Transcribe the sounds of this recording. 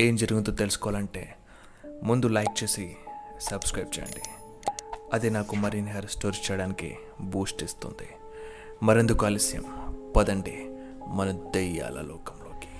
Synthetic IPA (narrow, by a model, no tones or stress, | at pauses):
eːmd͡ʒɐɾuɡunt̪uːt̪e̞lsu̥kɔʋaːlɐɳʈe̞̰ː | mund̪ulɐjk̚t͡ʃe̞ːsisɐbskɾɐjp̚t͡ʃɛ̰ɐ̰ɳɖi | ɐd̪inaːkumɐɾinɦɐɾɐsʈoːɾt͡ʃɛːjɐɽaːnikḭ | buːsʈist̪ṵnd̪i | mɐɾend̪ukɐːlɐsjɐ̰mpɐd̪ɐɳɖi | mɐnɐd̪ɛjːa̰ːlɐ̰lɔːkɐmloːki̥